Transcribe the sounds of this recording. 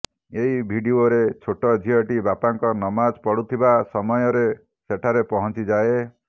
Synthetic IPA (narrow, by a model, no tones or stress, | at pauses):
eɦibʱiɖioɾet͡ʃʰoʈɔd͡ʒʱiɔʈibapaŋkɔnɔmad͡ʒpɔɽut̪ʰibasɔmɔjɔɾe | seʈʰaɾepɔɦɔnt͡ʃid͡ʒae